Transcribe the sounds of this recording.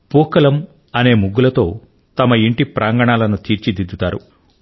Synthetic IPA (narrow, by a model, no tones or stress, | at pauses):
puːkɐlɐm | ɐne̞ːmuɡːulɐt̪o̞ː | t̪ɐmɐiɳʈipɾʔaːŋɡɐɳaːlɐnut̪iːɾt͡ʃid̪id̪ːut̪aːɾṵ